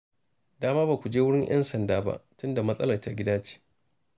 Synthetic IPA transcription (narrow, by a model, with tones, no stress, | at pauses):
daː˦maː˦ba˨kʷu˨d͡ʒeː˦wʊ˦ɽɪ˦ŋjʔɐ̰˦nsɐ˨ndaː˦ba̰˦ʔtʊ˦nda˨mɐ˦sʼɐ˦lɐ˨rta˨ɡʲɪ˦daː˦t͡ʃi̥ː˦